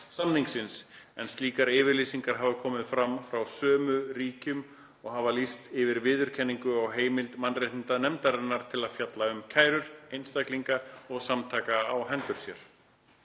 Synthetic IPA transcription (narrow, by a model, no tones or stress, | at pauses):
samniŋksɪnsɛnst̪liːkaɾɪːvɪɾlisiŋkaɾ̥ɦavakʰɔːmɪðfɾamfɾawsœːmʏɾiːcʏm | ɔɣɦavalist̪ɪvɪɾvɪːðʏɾ̥cʰɛnːiŋkʏawɦeːjmɪlt̪manrejht̪ɪnt̪anɛmt̪aɾɪnːaɾ̥t̪ʰɪlaðfjat̪laʏmkʰaːjɾʏɾejnst̪akliŋkaɔɣsamt̪ʰaːkaaːwɦɛnt̪ʏɾ̥sjɛɾ̥